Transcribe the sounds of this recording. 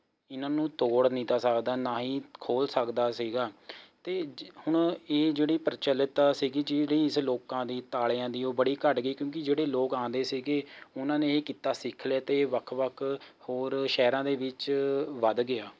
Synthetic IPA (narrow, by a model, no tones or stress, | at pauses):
ɪnãːnũːt̪oːɽnĩːt̪aːsəkd̪aːnaːɦĩːkʰoːlsəkd̪aːsiːɡaːt̪eːhʊɳeːd͡ʒeːɽiːpəɾt͡ʃəlːət̪asiːɡiːd͡ʒɪɽiːɪsloːkãːd̪iːt̪aːljãːd̪iːoːbəɽiːkəʈɡiːkjõːk̬ɪd͡ʒeːɽeːloːkãːnd̪eːsiːɡeːʊnãːnẽːeːkiːt̪aːsɪkʰlaːt̪eːʋəkʰʋəkʰhoːɾʃɛːɾãːd̪eːʋɪt͡ʃʋəd̪ɡɪaː